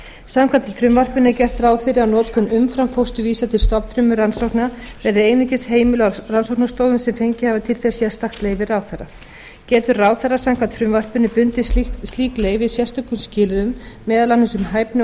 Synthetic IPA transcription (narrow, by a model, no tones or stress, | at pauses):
samkʰat̪fɾʏmvar̥pʏnɪcɛr̥t̪raːwfɪɾɪawnɔːt̪kʰʏnːʏmfɾamfowst̪ʏviːsat̪ʰɪlst̪ɔpn̥fɾʏmʏɾansɔwknavɛɾðɪejnʏcɪsheːjmɪlʏaransɔwknast̪oːwðʏmsɛmfejɲcɪhavat̪ʰɪlθɛsːiast̪axt̪leːjvɪraːwθara | cɛːt̪ʏɾraːwθarasawmkʰant̪fɾʏmvar̥pʏnɪpʏnt̪ɪst̪liːkleɣvɪðsjɛst̪œkʏmscɪːlɪðʏmːɛːðalanːɪsʏmɦaːjpnʏ